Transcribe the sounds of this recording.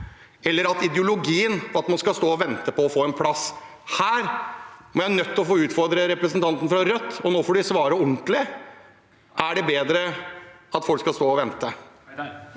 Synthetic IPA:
ɛlːəɾɑt̪ɪd̪jʊlʊɡiːənɑt̪mɑnskɑst̪oːɔʋɛnt̪əpɔːfoːɛnpʰlɑshæːɾmɔɾjænœt̪ʰːɔfoːʉːt̪fɔɾd̪ɾəɾɛpɾəsənt̪ɑnt̪ən̩fɾɑɾœt̪ːɔnoːfɔɖɪsʋɑːɾəʊɳt̪lɪ | ʔæɖɛbeːd̪ɾəɑt̪fɔlkskɑst̪oːɔʋɛnt̪ə

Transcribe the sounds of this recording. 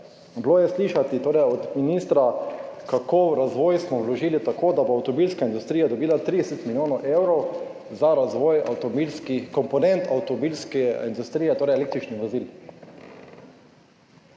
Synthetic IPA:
bloːjɛsliːʃat̪it̪oːɾɛjɔd̪minist̪ɾakakowɾazʋɔːjsmɔwlɔʒiːlit̪akoːd̪aboawt̪ɔbilskaind̪ust̪ɾiːjad̪ɔbiːlat̪ɾid̪ɛset̪miljoːnɔʔewɾɔw | zaɾazʋɔːja̰wt̪ɔbilskikɔmpɔnɛnt̪ʰawt̪ɔmbilskɛind̪ust̪ɾiːjɛt̪oːɾɛjeleːk̚t̪ɾit͡ʃniʋozil

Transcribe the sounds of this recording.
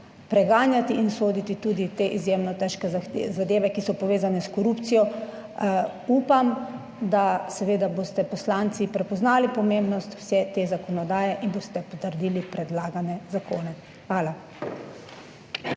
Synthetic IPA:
pɾɛɡaːnjat̪iʔinsoːd̪it̪it̪uːd̪it̪eʔizjemnɔt̪ɛʃkɛzaxezad̪eːʋɛkisɔpɔʋeːzanɛskɔɾupt̪sijɔ | uːpam | d̪asɛʋeːd̪aboːst̪ɛpɔslaːnt̪sipɾɛpɔznaːlipɔmembnɔst̪w̥sɛt̪eːzakɔnɔd̪aːjɛʔinboːst̪ɛpɔt̪əɾd̪iːlipɾɛd̪laːɡanɛzakoːnɛ | xʋaːla

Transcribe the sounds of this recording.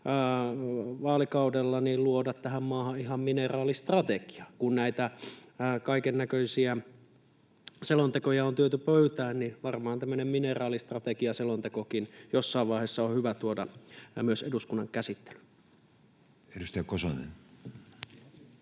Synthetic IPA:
ʋɑːlikɑudelːɑniːlluodɑt̪t̪æhæmmɑːhɑihɑmminerɑːlist̪rɑt̪eki̥ɑkunnæit̪æ | kɑikenːækøisiæ | selont̪ekojɑont̪yøt̪ypøyt̪æːnniʋɑrmɑːɑnt̪æmːønemminerɑːlist̪rɑt̪ekiɑselont̪ekokinjosːɑˑiʋʋɑˑiheːsːɑohyʋæt̪uodɑ̰myøseduskunːɑŋkæsit̪ːe̥ly̥ | eɾust̪eɑkoso̰nḛn

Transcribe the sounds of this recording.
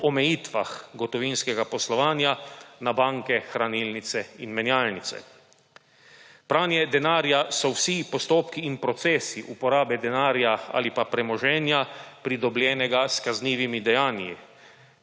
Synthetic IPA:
ɔmɛjiːt̪ʋa̰xɡɔt̪ɔʋinskɛɡapɔslɔʋaːnjanabaŋkɛxɾaniːlnit̪sɛinmɛnjaːlnit̪sɛ̰ | pɾaːnjɛd̪ɛnaːɾjasɔwsipɔst̪oːpkiːnpɾɔt̪sɛːsiʔupɔɾaːbɛd̪ɛnaːɾjaa̰ːlipapɾɛmɔʒɛːnjapɾid̪ɔblʲjɛːnɛɡaskazniːʋimid̪ɛjaːnji

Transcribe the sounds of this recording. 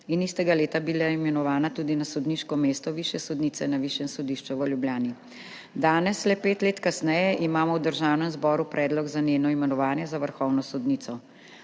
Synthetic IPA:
inist̪ɛɡaleːt̪abilaimɛnɔʋaːnat̪uːd̪inasɔd̪niːʃkɔmeːst̪ɔʋiʃjɛsɔd̪nisɛnaʋiʃjɛmsɔd̪iʃt͡ʃuʋəljubjaːni | d̪aːnɛslɛpeːt̪leːt̪kasnɛjɛʔimaːmɔwd̪əɾʒaːwnɛmzbɔːɾupɾʔɛːd̪lɔɡzaneːnɔimɛnɔʋaːnjɛzaʋəɾxɔwnɔsɔd̪niːt̪sɔ

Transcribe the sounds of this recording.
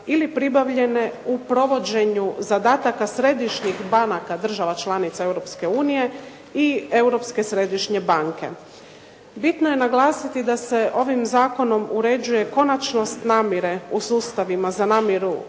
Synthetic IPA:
ilipɾibaʋʎe̞ne̞upɾo̞ʋo̞d͡ʑe̞ɲuzad̪aːt̪akasɾe̞d̪iʃɲixbanakad̪r̩ʒaʋat͡ʃlˠanit̪sae̞wɾo̞pske̞uːnije̞ | ie̞wɾo̞pske̞sɾe̞ːd̪iʃɲe̞baŋke̞̰ | bit̪nojenaɡlˠaːsit̪id̪ase̞ʔo̞ʋimzaːko̞no̞muɾe̞d͡ʑuje̞ko̞nat͡ʃno̞st̪naːmjeɾe̞usuːst̪aʋimazanaːmjeɾu

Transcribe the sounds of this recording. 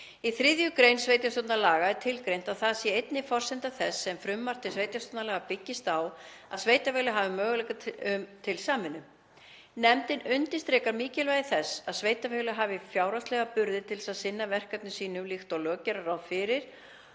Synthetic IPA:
iθɾɪðjʏkɾejnsvejt̪jast̪ɔt̪naɾlaːɣaɛɾ̥t̪ʰɪlkɾejn̥t̪aðθaðsjɛejt̪nɪfɔr̥sɛnt̪aθɛsːɛmfɾʏmːar̥t̪ɪsveːjt̪jast̪ɔt̪naɾlɛːɣapɪcːɪst̪awaðsvejt̪avɛːɣlʏɦaːvɪmœːɣʏlɛjkaʏmt̪ʰɪlsaːmɪnːʏ | nɛmt̪ɪnʏnt̪ɪst̪ɾɛːkaɾmiːcɪlvajðɪθɛsːaðsveːjt̪afɛɣlʏɦaːvɪfjaːwɾast̪lɛɣapʏɾðɪt̪ʰɪlsaðsɪnːavɛr̥kat̪̚nʏsiːnʏmlixt̪ɔwlœːcɛɾaɾawðfɪːɾɪɾ̥

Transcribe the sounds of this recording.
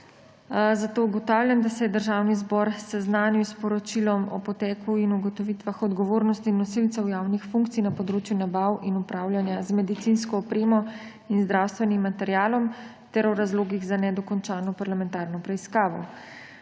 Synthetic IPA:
zat̪ouɡɔt̪aːwljamd̪asɛjɛd̪əɾʒaːwnizbɔɾsɛznaːniwspɔɾɔt͡ʃilɔmɔ̰pɔt̪ɛːkʰuinuɡɔt̪ɔʋit̪ʋaxɔd̪ɡɔʋoːɾnɔst̪inːɔsilt̪sɛwjaːwnixfũŋk̚t̪ijnɐpɔd̪ɾoːt͡ʃjunabawʔinupɾaːwlʲjanjazmɛd̪it̪inskɔːpɾeːmɔ | inzd̪ɾawst̪ʋɛnimːat̪ɛɾjaːlɔm | t̪ɛɾɔɾazloːɡiɣzanɛd̪ɔkɔnt͡ʃaːnɔpaɾlamɛnt̪aːɾnɔpɾɛiskaːʋɔ̰

